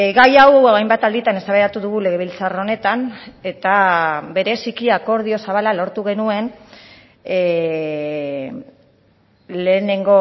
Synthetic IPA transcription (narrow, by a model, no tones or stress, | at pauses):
ɣajawoajmbat̪ald̪it̪ane̞saβeɾat̪uðuɣule̞ɣ̞e̞β̞ilt͡saro̞ne̞t̪ane̞t̪abe̞ɾe̞sikiako̞ɾð̞io̞saβalalo̞ɾt̪uɣ̞e̞nue̞n | le̞ːne̞ŋɡo̞